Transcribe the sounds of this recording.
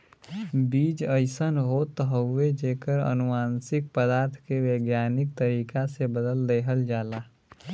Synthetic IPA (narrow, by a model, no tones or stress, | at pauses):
biːd͡ʒəɪsənɦot̪əɦəʊed͡ʒeːkəɾə̰nʊmaːnsɪk̚pəd̪aːɾt̪ʰkeʋeːɡjaːnɪk̚t̪əɾiːkasebəd̪əld̪eːɦəld͡ʒaːlaː